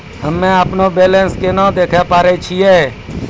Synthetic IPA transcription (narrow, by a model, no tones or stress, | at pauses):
ɦəmːẽəpnobeːlẽnskenãd̪eːkʰepaːɾet͡ʃʰieː